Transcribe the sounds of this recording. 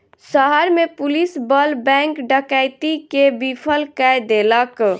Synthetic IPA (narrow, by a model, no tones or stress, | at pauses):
səɦəɾmepulisbəlbɛ̃ŋkɖəkajt̪ikebipʰəlkajd̪elək